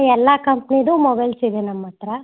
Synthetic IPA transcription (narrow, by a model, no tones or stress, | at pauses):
ɛlːɐkɐmpnid̪umɔbɐjlsid̪enɐmːɐt̪ɾɐ